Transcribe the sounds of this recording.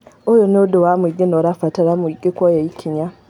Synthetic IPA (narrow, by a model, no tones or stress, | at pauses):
ojonedowamwiɡinoɾafataɾamuiɡekojaikʰiɲa